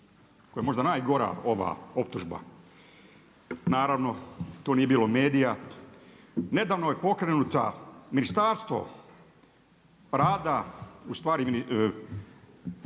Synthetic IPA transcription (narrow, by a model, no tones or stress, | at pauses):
kojemo̞ʒd̪anaːjɡo̞ɾa̰o̞ʋa̰ːo̞pt̪uʒba̰ | naːɾaʋno̞t̪oːnije̞biːlˠo̞me̞ːd̪ija | ne̞d̪aːʋnojepo̞kɾenut̪a̰minist̪aːɾst̪ʋo̞̰ | ɾaːd̪aust̪ʋaːɾimini